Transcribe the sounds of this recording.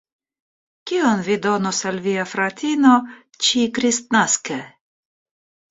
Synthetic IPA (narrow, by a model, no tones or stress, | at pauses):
kʲionvid̪o̞nosalviafɾat̪ʲino | t͡ʃikɾist̪naske